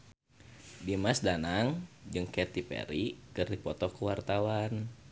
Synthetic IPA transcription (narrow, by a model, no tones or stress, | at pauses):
dimasdanaŋd͡ʒɨŋkɛt̪ipḛɾikɨrdipɔt̪ɔkəwart̪awan